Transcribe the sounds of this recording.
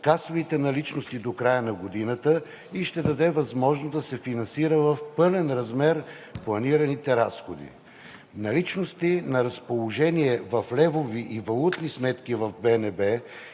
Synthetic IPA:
kasovit̪ɛnɐlit͡ʃnost̪id̪okɾajənɐɡod̪inət̪ə | iʃt̪ɛd̪ɐd̪ɛvɐzmɔʒnozd̪ɐsɛfinɐnsiɾəvɐfpɤlɛnɾɐzmɛɾ | plˠɐniɾɐnit̪ɛɾasxod̪ḭ | nɐlit͡ʃnost̪inɐɾɐspolˠoʒɛniɛvɐflɛvoviʔivɐlˠut̪nismɛt̪k̟ivɐvbɛnɛbɛ

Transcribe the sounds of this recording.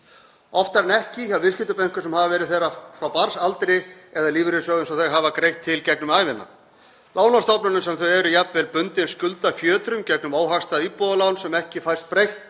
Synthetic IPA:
ɔft̪aɾanɛhcɪçawvɪs̬cɪt̪ʏpejŋ̥kʏsɛmhavavɛːɾɪðθejrafɾawpaɾsalt̪ɾɪɛðaliːvɪɾɪsœːɣʏnsawθaɣɦaːvakɾejht̪ʰːɪlcɛknʏmaːjvɪnːa̰ | lʔaːwnast̪awpnʏnʏmsɛmθœɥɛɾʏjapnvɛlpʏnt̪ɪnscʏlt̪afjœːt̪ɾʏmcɛknʏmaːwɦast̪aiːpɔðalaːwnsɛmɛhcɪfajr̥st̪̚pɾejht̪

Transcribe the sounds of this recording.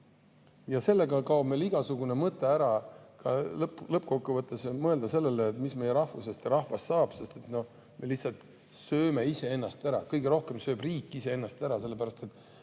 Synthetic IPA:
jɑse̞lːe̞ɡɑkɑwbmejliɡ̥ɑsuɡ̥une̞mɤt̪ːˑe̞æɾɑkɑlɤplɤp̚ːˑko̞kːuvɤt̪ˑːe̞smɤ̞e̞ld̪ɑse̞lːe̞leːt̪ːˑmisme̞jeɾɑhvuse̞st̪ɾɑhvɑst̪sɑːb̥se̞st̪e̞t̪no̞ | melihsɑlt̪ | sø̞ːme̞ise̞e̞nːɑst̪æɾɑkɤjɡeɾo̞hke̞msø̞ːbriːkˑːise̞e̞nːɑst̪æɾɑse̞lːepæɾɑst̪e̞t̪ːˑ

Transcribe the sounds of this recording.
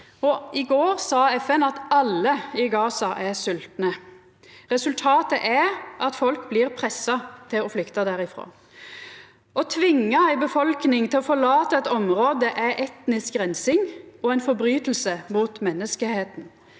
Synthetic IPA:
ɔɪɡoːʁsɑːɛfɛnɑt̪ɑlːəɪɡɑːsɑʔæsʉlt̪nə | ʁɛsʉlt̪ʰɑːt̪əʔæʁʔɑt̪fɔlkbliːʁpʰʁɛsːɑt̪ʰɪɔflʏkt̪ɑd̪æɾɪfɾo̰ː | ʔɔt̪ʰʋɪŋːɑæɪbəfɔlknɪŋt̪ʰɪlɔfɔɭɑːt̪əɛt̪ɔmɾoːd̪əʔæɾʔɛt̪nɪsk̚ɡʁɛnsɪŋɔɛɪnfɔɾbɾyːt̪l̩səmuːt̪mɛnːəskəheːt̪n̩

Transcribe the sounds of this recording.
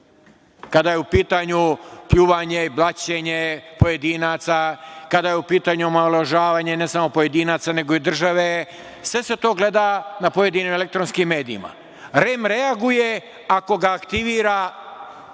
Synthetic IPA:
kad̪ajeupiːt̪aɲupʎuʋaɲeiblˠat͡ɕeɲe̞po̞je̞d̪inaːt̪sakad̪ajeupiːt̪aɲuomaolˠaʒaːʋaːɲe̞ne̞samo̞po̞je̞d̪inaːt̪sane̞ɡo̞id̪r̩ʒaʋe̞ | sʋe̞se̞t̪o̞ːɡle̞d̪anapo̞je̞d̪inimele̞k̚t̪ɾonskimːe̞ːd̪iima̰ | ɾemɾe̞aɡuje̞ | ako̞ɡaːkt̪iʋiːɾa

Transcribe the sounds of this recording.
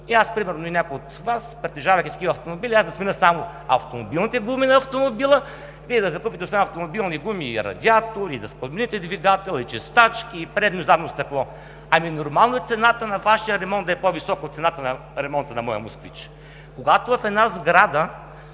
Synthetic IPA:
iaspɾimɛɾnoinʲakojot̪vaspɾɛt̪ɛʒavɐjk̪ʲit̪ɐ̥kivɐft̪omobilʲiasd̪ɐsminəsamo | ɐ̰ft̪omobilˠnit̪ɛɡuminɐɐft̪omobilˠə | viɛd̪ɐzɐkupit̪ɛosɛmɐft̪omobilˠniɡumiːɾɐ̰d̪ʲiat̪oɾid̪ɐspɐmɛnit̪ɛd̪viɡat̪ɛlˠit͡ʃɛst̪at͡ʃkiːpɾɛd̪nozanost̪ɐklˠɔ | ɐminoɾmalˠnoɛt̪sɛnat̪ənɐvaʃijəɾɛmɔnt̪ɛpovisɔkot̪sɛnat̪ənɐ | ɾɛmɔnt̪ənɐmɔjə̰moskvḭt͡ʃ | koɡat̪ovɐfɛd̪nazɡɾad̪ə

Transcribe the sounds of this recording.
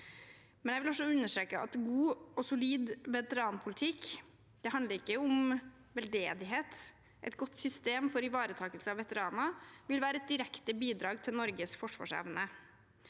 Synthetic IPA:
mɛnjɛɪʋɪlɔsɔʉnːəʂʈɾeːkːəɑ̰t̪ɡuːɔsʊliːd̪ʋɛt̪əɾɑːnpʰʊlɪt̪ʰɪkː | d̪̥ɛɦɑnd̪ləɾɪkːəʊm | ʋɛld̪eːd̪ɪɦeːt̪ | ʔɛ̰t̪ɡɔt̪ːsʏst̪eːmfɔɾɪʋɑːɾət̪ʰɑːkəlsəɑʋɛt̪əɾɑːnɑʋɪlʋæːɾəɛt̪̚d̪ɪɾɛkt̪əbiːd̪ɾɑːɡt̪ʰɪlnɔɾɡəsfɔʂʋɑ̰ːʂɛ̰ʋnə

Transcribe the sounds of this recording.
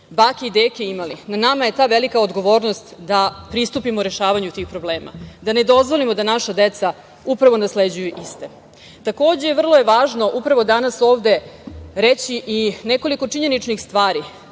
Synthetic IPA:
baːkeid̪eːkeimalinanamaje̞t̪aːʋelikaod̪ɡo̞ʋo̞ːɾnost̪d̪apɾist̪upimoɾeʃaːʋaɲut̪ixpɾo̞bleːma̰d̪ane̞d̪o̞zʋo̞limo̞d̪anaʃad̪et̪sa | upɾaʋo̞nasled͡ʑujuʔist̪e | t̪ako̞ːd͡ʑeʋr̩lˠo̞je̞ʋaːʒno̞ʔupɾaʋo̞d̪anaso̞ːʋd̪e̞ɾet͡ɕiʔineko̞liko̞t͡ʂiɲe̞nit͡ʂnixst̪ʋaːɾi

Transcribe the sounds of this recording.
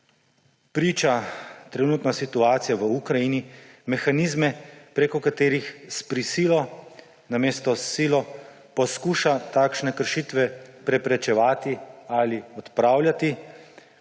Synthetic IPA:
pɾiːt͡ʃat̪ɾɛnuːt̪nasit̪uaːt̪sijaʋəukɾajinimɛxanizmɛpɾekɔkat̪eːɾixspɾisiːlɔ | nameːst̪ɔsiːlɔ | pɔskuːʃat̪aːkʃnɛkəɾʃit̪ʋɛpɾɛpɾɛt͡ʃɛʋaːt̪ialiɔt̪pɾaːwlʲjat̪i

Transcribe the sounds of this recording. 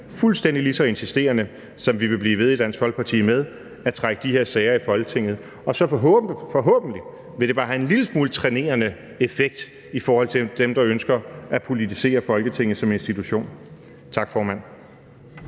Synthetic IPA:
fulsd̥en̰d̥ilisɒ̽e̝nsisd̥e̝̰ːɐnə | sɒ̽mʋiʋe̝b̥liːʋeð̞ˠid̥æn̰sɡ̥hɒ̽l̰̥̚pʰɑ̈t͡sʰḭːmeð̞ˠ | æt͡sʰʁaɡ̥əd̥ihe̝ɐsɛːɪɐifɒ̽lɡ̥ət͡sʰe̝ŋ̰ð̩ˠ | ɒ̽sɒ̽fɒɦfɒ̽ɦɔ̰̽ːb̥n̩l̥i | ʋeɾ̥e̝b̥ɑ̈ːɦæe̝nliləsmuːlt͡sʰʁɛne̝̰ːɐnə | e̝feɡ̥̚d̥ | ifɒːhɒ̽l̰t͡sʰed̥emd̥ɑ̈ønsɡ̥ɐʔæpʰo̝lit͡sʰise̝̰ːɐfɒ̽lɡ̥ət͡sʰe̝ŋ̰ð̩ˠsɒ̽me̝nsd̥it͡sʰuɕo̝̰ːn | t͡sʰɑ̈ɡ̥fɒːmæn̰

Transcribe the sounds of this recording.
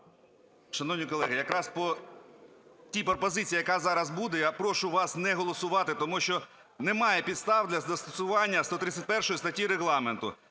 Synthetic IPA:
ʃɐnɔwnʲijkɔlˠɛɦɪjɐkɾɑspɔ | tʲipɾɔpɔzɪt͡sʲijɐkɑzɑɾɐzbud̪ɛjapɾɔʃʊʋɑsnɛɦɔlˠɔsʊʋɑt̪ɪt̪ɔmuʃt͡ʃɔ | nɛmɑjɛpʲid̪st̪ɑwd̪lʲɐzd̪ɐst̪ɔsʊʋɑnʲːɐst̪ɔt̪ɾɪt̪t͡sʲːɐt̚ʲpɛrʃɔjist̪ɐtʲijɾeɣlˠɑment̪ʊ̰

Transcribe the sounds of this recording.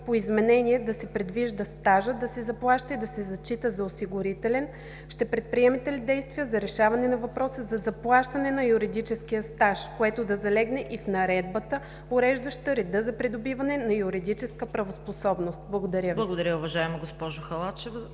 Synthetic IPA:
poizmɛnɛniɛd̪ɐsɛpɾɛd̪viʒd̪ɐst̪aʒəd̪ɐsɛzɐplˠaʃt̪əid̪ɐsɛzɐt͡ʃit̪əzɐosiɡʊɾit̪ɛlɛn | ʃt̪ɛpɾɛt̪̚pɾiɛmɛt̪ɛlid̪ɛjst̪vijəzɐɾɛʃavɐnɛnɐvɐpɾɔsəzɐzɐplˠaʃt̪ɐnɛnɐjuɾid̪it͡ʃɛskijəst̪aʃkoɛt̪od̪ɐzɐlɛɡnɛʔifnɐɾɛd̪bət̪ə | ʊɾɛʒd̪əʃt̪əɾɛd̪əzɐpɾid̪obivɐnɛnɐjuɾid̪it͡ʃɛskəpɾɐvosposɔbnost̪̚blˠɐɡod̪ɐɾʲjəblˠɐɡod̪ɐɾʲjəʊvɐʒaɛmoɡospɔʒʊxɐlˠat͡ʃɛv

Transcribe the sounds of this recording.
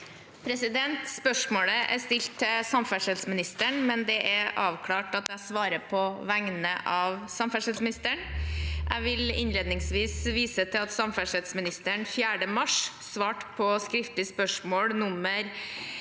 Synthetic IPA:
pʰɾɛsɪd̪ɛnt̪spœʂmoːləʔæ̰ɾst̪ɪlt̪ʰːɪsɑmfæʂɛlsmɪnɪst̪əɳmɛnd̪ɛʔæɾʔɑːʋkʰlɑːʈɑt̪æɪsʋɑːɾəpʰɔʋæŋnəʔɑʋsɑmfæʂɛlsmɪnɪst̪əɳʔæ̰ɪʋɪlɪ̰nleːd̪nɪŋsʋiːsʋiːsət̪ʰɪlɑt̪sɑmfæʂɛlsmɪnɪst̪əɳfjæːɖəmɑʂ | sʋɑːʈpʰɔskɾɪft̪lɪspœʂmoːɽnʊmːəɾ

